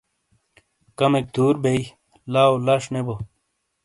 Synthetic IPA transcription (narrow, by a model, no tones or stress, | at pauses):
kɐmek̚d̪̥uːɾbei | laːolɐʂnebo